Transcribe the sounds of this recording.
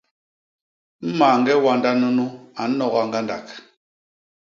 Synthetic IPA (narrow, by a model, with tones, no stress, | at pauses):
m̩˦maː˨ŋ̩˦ɡɛ˦wa˦nda˦nu˦nu˦a˨˦nɔ˨ɣa˨ŋɡa˦nda˨k